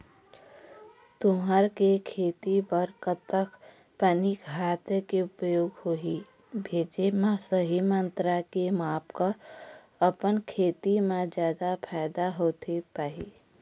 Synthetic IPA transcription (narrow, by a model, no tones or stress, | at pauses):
t̪ʊɦəɾkekʰeːt̪ibəɾkət̪ək | pənikɦaːt̪keʊpəjoːɡhoɦi | bʱeːd͡ʒemãsəɦimə̃nt̪ɾakemaːpka | əpənkʰeːt̪imẽd͡ʒjaːd̪apʰaɪd̪aɦoːt̪epaːɦḭ